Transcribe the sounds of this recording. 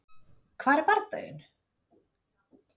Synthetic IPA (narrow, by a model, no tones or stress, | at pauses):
kʰvaːɾɛɾpaɾt̪œ̰jʏ̰n